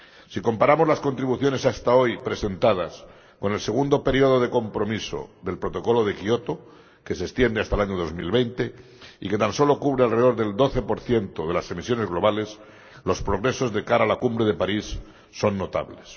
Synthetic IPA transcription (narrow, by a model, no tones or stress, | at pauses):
siko̞mpaɾamo̞zlasko̞nt̪ɾiβuθjo̞ne̞sast̪ao̞jpɾe̞se̞nt̪að̞as | ko̞nelse̞ɣ̞und̪o̞pe̞ɾio̞ð̞o̞ðe̞ko̞mpɾo̞miso̰ðe̞lpɾo̞t̪o̞ko̞lo̞ð̞e̞kio̞t̪o̞ | ke̞sekst̪je̞nd̪east̪alaɲoðo̞zmḭlβe̞jnt̪e̞ | ḭke̞t̪anso̞lo̞kuβ̞ɾealre̞ð̞o̞ɾðe̞ld̪o̞θe̞po̞ɾθje̞nt̪oðe̞lase̞misjo̞ne̞zɣlo̞β̞ale̞s | lo̞spɾo̞ɣ̞ɾe̞so̞zðe̞kaɾaːlakumbɾe̞ð̞epaɾisː | o̞nːo̞t̪a̰βles